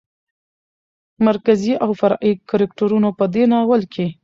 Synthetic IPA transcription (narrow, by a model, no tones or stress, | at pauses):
maɾkaziʔawfaɾɑʔikaɾɪkʈoɾunopəd̪enawəlkʰe